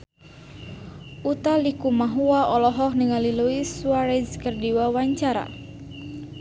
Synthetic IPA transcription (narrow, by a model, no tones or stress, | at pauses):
ʔut̪alikumaɦuwaʔɔlɔɦɔhniŋaliluiswaɾɛd͡ʒkərdiwawaɲt͡ʃaɾa̰